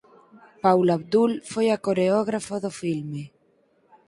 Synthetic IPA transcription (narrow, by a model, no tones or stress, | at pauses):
pawlaβd̪ulfojakoɾeɔɣ̞ɾafoðofilme